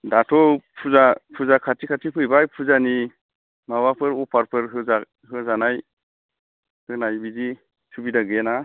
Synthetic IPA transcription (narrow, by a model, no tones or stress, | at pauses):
datʰɔpʰuzapʰuzakʰatʰikʰatʰipʰɯjbajpʰuzani | mawapʰɯɾɔpʰaɾpʰɯɾɦɯza | ɦɯzanaj | hɯnajbizi | sʰubidaɡɛna